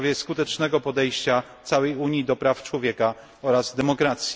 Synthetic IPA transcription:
vʲjɛskut̪ɛt͡ʂnɛɡɔpɔd̪ɛjɕt͡ɕat̪sawɛjuɲjid̪ɔpɾaft͡ʂwɔvʲjɛka | ɔɾazd̪ɛmɔkɾat̪sʲj

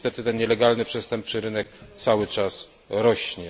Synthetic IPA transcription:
st̪ɛt̪ɘt̪ɛnɲɛlɛɡalnɘpʂɛst̪ɛmp̚ʂɘɾɘnɛk̚t̪sawɘt͡ʂas | ɾɔɕɲɛ

